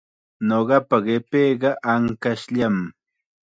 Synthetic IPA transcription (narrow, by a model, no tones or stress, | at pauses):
noɢɑpaɢepeːɢɑʔaŋkaʃʎam